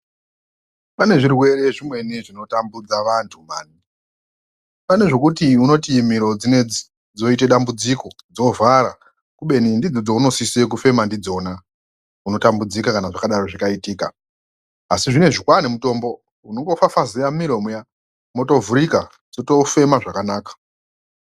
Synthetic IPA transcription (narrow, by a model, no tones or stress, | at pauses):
pane̞ʐirwe̞ɾe̞ʐimwe̞niʐino̞tambud͡zaʋantʰumaːni | pane̞ʐo̞kutiuno̞tim̤iɾo̞d͡zine | d͡zo̞iteɗambud͡ziko̞d͡zo̞vʱaɾa̰ | kuɓe̞nindid͡zod͡zouno̞sise̞k̬ufe̞mandid͡zo̞na | uno̞tambud͡zikakanaʐakaɗaɾo̞ʐakaitiːka̰ː | siʐine̞ʐikwanemuto̞ːmbo̞ | uno̞ŋɡo̞fafazejamiɾomuja | moto̞vuɾika | d͡zo̞to̞fe̞maʐakanaːkḁ